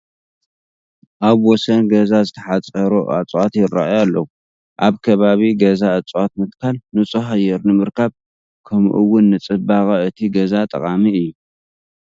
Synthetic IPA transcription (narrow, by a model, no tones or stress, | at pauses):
ʔaβwɔsɐnɡɐzazɨt̪ʰɐħat͡sʼɐɾuʔa̰t͡sʼwat̪jɪɾaʔjalːɐwu | ʔaβkʰɐβaβiɡɐzaɐt͡sʼwat̪mɨt̪kʰalnɨt͡sʼuɦɐjɛɾnɨmɨɾkʰaβ | kʰɐmʔɨwʊnːɨt͡sʼɨbakʼɐɨt̪ʰiɡɐzat̪ʼɐ̰kʼamiɨjːu